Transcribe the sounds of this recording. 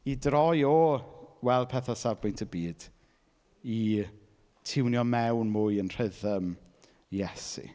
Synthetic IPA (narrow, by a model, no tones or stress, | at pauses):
idrɔjowɛlˠpʰɛθasabʊjntʰəbiːd̥ | i | tʰɪwnjɔmɛwnmʊjənr̥ɪðəm | jɛsḭ